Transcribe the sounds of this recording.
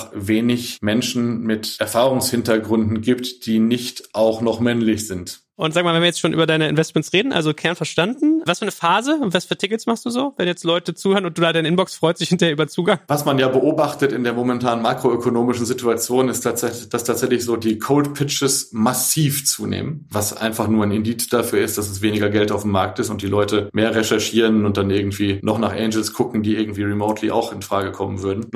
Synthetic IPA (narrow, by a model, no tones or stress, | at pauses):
veːnɪçmɛnʃn̩mɪtʔɛɐfaːʁʊŋshɪntɐɡʁʏndn̩ɡiːptd̥iːnɪçtaʊχnɔχmɛnlɪçz̥ɪnt | ʔʊntzaːɡəmaːlvɛnviɐjɛt͡stʃoːnʔyːbɐdaɪnəɪ̰nvɛstmɛntsʁeːdn̩ʔa̰lzokʰɛɐnfɛɐʃtandn̩vasfyːɐnəfaːzəʊntvasfyːɐtʰɪkətsmaχstd̥uːzoːvɛnjɛt͡stlɔʏtət͡suːhøːʁənʊnt̚d̥uːdaːdaɪnəɪnbɔksfʁ̥ɔʏstd̥ɪçhɪntɐheːɐʔyːbɐt͡suːɡaŋvasmanjaːbəʔoːbaχtətɪndeːɐmomɛntʰaːnənmaːkʁ̥oøkʰonoːmɪʃn̩zɪtuat͡sjoːnɪstʰaɛd̥astʰaːtz̥ɛçlɪçz̥oːdiːkʰoʊltpʰɪt͡ʃəsmasiːft͡sṵːnḛːmənvasʔa̰ɪ̃nfaχnuːɐaɪnɪndiːt͡sd̥afyːɐɪst̚d̥asɛs̬veːnɪɡɐɡɛltaʊfm̩ːaɐk̚tɪstʊntd̥iːlʔɔʏtəmeːɐʁɛʃɛɐʃiːʁənʊnt̚d̥anʔɪɐɡŋ̩tv̥iːnɔχnaːχʔɛ̰ɪnd͡ʒəl̩skʰʊkŋ̩diːʔɪɐɡŋ̩tv̥iːʁimoʊtʰlḭʔa̰ʊxɪnfʁ̥aːɡəkʰɔmənvʏɐdn̩